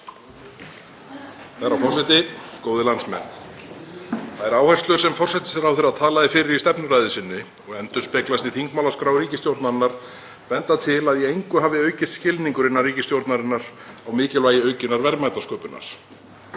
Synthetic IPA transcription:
θaɾawfɔr̥sat̪ɪkoːwðɪlansmɛ̰n | θaðɛɾaːwharst̪lʏɾ̥sɛmfɔr̥sɛht̪ɪ̥sɛɾawfɛɾaðt̪ʰaːlaðɪfɪːɾɪɾist̪ɛpnʏɾaːjðɪsɪnːɪ | ɔɣɛnt̪ʏnspɛklast̪iθiŋkmawlaskɾawɾiːcɪst̪jowɾt̪naɾɪnːaɾ̥ | vɛnt̪at̪ʰɪlaðjɛejŋkʏɦaːvɪœːɥcɪst̪scɪlniŋkʏɾɪnːaɾriːcɪst̪jowɾt̪naɾɪnːaɾ̥awmɪːcɪlvaːjɪœɥcɪnːaɾvɛɾmajt̪askœːpʏnːa̰ɾ̥

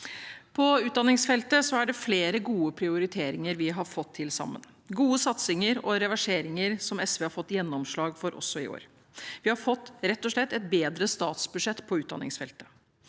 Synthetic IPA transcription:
pʰɔʉːt̪d̪ɑnɪŋsfɛlt̪əsɔæɖɛfleːɾəɡuːəpʰɾɪʊɾɪt̪ʰeːɾɪŋəɾʋɪɦɑɾfɔt̪ʰːɪlsɑ̰mːə̰n | ɡuːəsɑt̪sɪŋəɾɔɾɛʋæʂeːɾɪŋəɾsɔmɛsʋeːhɑɾfɔt̪ːjɛnːɔmʂɭɑːɡfɔɾʔɔ̰sːɔɪ̰o̰ːɾ | ʋɪhɑɾfɔt̪ːɾɛt̪ːɔʂɭɛt̪ːɛt̪̚beːd̪ɾəst̪ɑ̰ːt̪sbʉʂɛt̪ːpʰɔʉːd̪ɑ̰nɪ̰ŋsfɛlt̪ə̥

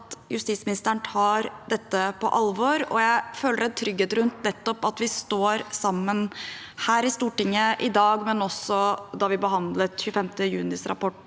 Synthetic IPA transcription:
t̪jʉst̪iːsmɪnɪst̪əəɳt̪ʰɑːɾd̪ɛt̪ːəpʰɔ̰ʔɑlʋɔɾɔ̰jæɪføːləɖæt̪ʰɾʏɡːeːt̪ɾʉnt̪nɛt̪ːɔpɑt̪ʋɪst̪oːɾsɑmːən | hæːɾɪst̪uːʈɪŋːəʔɪd̪ɑːɡmɛnɔsɔd̪ɑʋɪbəɦɑnd̪lət̪çʉːəfɛmt̪əjʉːnɪsɾɑ̰pɔʈː

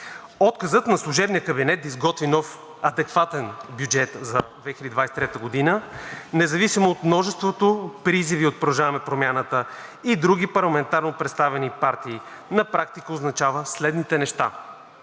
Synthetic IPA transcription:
ɔt̪kɐzət̪nɐslˠuʒɛbnijəkɐbinɛt̪izɡɔt̪vinɔf | ɐd̪ɛkvat̪ɛnbjud͡ʒɛt̪zɐd̪vɛxlʲid̪id̪vajsɛt̪ɾɛt̪əɡod̪inənɛzɐvisimoːt̪mnɔʒɛst̪vot̪opɾiziviot̪̚pɾoʒavɐmɛpɾomʲjanət̪ə | id̪ɾuɡʲipɐɾlˠɐmɛnt̪aɾnopɾɛt̪st̪avɛnipaɾt̪iː | nɐpɾak̚t̪ikəoznɐt͡ʃavəslɛd̪nit̪ɛnɛʃt̪a̰

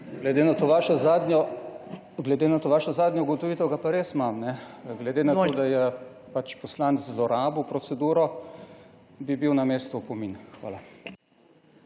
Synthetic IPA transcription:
ɡlɛd̪eːnat̪oʋaːʃɔzaːd̪nʲɔ | ɡlɛd̪eːnat̪oːʋaːʃɔzaːd̪nʲjɔuɡɔt̪ɔʋit̪ɛwɡapaɾeːsmamnɛɡlɛd̪eːnat̪oːd̪ajɛ | pat͡ʃpɔslanszlɔɾaːbɔwpɾɔt̪sɛd̪uːɾɔ | bibiwnameːst̪upɔminxʋa̰ːla

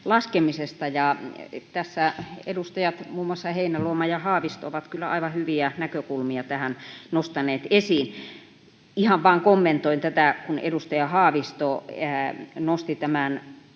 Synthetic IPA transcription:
lɑskemisest̪ɑjɑt̪æsːæḛdust̪ɑjɑt̪muːmoɑsːɑheinæluomɑjɑhɑːʋist̪ooʋɑt̪kylːæ̰ɑ̰iʋɑhyʋiænækøkulmiɑt̪æhænnost̪ɑneːt̪esiːn | ihɑʋʋɑːŋkomːent̪oint̪æt̪ækunḛdust̪ɑjɑhɑːʋist̪oænost̪it̪æmæn

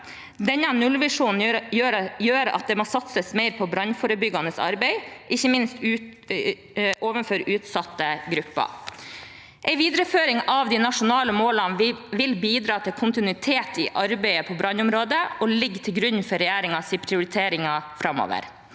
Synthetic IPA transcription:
d̪ɛnːɑnʉlʋɪʂuːnn̩jøːɾjøːɾɑ̰t̪̚d̪ɛmoːsɑt̪səsmeɪɾpʰɔbɾɑnfoːɾəbʏɡɑnəsɑ̰ɾbɛɪʔɪçːəmɪnst̪ʉ | ʔoːʋənføɾʉːt̪sɑt̪ːəɡɾʉpːɑ̰ | ʔɛɪʋiːd̪ɾəføːɾɪŋɑʋd̪inɑʂʊnɑːləmoːlɑnʋɪlbiːd̪ɾɑːt̪ʰɪkʰʊnt̪ɪnʉɪt̪ʰeːt̪ɪʔɑɾbɛɪəpʰɔbɾɑnʊmɾoːd̪əʔɔlɪɡːt̪ʰɪlɡɾʉɲfɔɾɛjæːɾɪŋɑsiɪpʰɾɪʊɾɪt̪ʰeːɾɪŋɑfɾɑmːo̰ːʋə̰ɾ

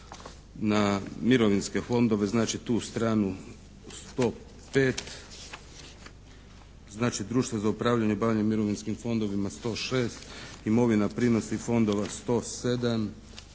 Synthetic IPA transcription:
namiɾoʋinske̞fo̞nd̪o̞ʋe̞znaːt͡ʃit̪uːst̪ɾaːnu | st̪o̞ | pe̞ːt̪ | znaːt͡ʃid̪ɾuːʃt̪ʋazaupɾaːʋʎaɲebaːʋʎaɲemiɾo̞ʋinskimfo̞nd̪o̞ʋimast̪o̞ːʃe̞ːst̪imo̞ʋinapɾino̞sifo̞nd̪o̞ʋast̪o̞se̞d̪am

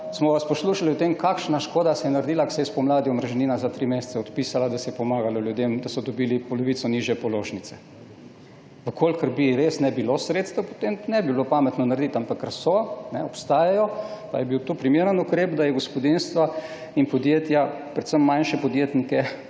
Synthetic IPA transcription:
smɔʋaspɔsluːʃaliot̪emkakʃnaʃkoːd̪asɛjɛnaɾd̪iːlaksɛjɛspɔmlaːd̪iɔmɾʒɛninazat̪ɾimest̪sɛɔt̪piːsalad̪asɛjɛpɔmaːɡalɔljud̪emd̪asɔd̪ɔbiːlipɔlɔʋiːt̪sɔniʒjɛpɔloːʒnit̪sɛ | ʋəkʰoːlkəɾbiɾesnɛbilosɾet̪st̪əwpɔ̥t̪emnɛbiblopaːmɛt̪nɔnaɾd̪it̪ampakːɾasɔnɛɔpst̪aːjajɔpajɛbiwt̪uːpɾimeːɾənukɾeːpd̪ajɛɡospɔd̪inst̪ʋa | inpɔd̪jeːt̪japɾɛt̪səmːanʃɛpɔd̪jeːt̪nikɛ

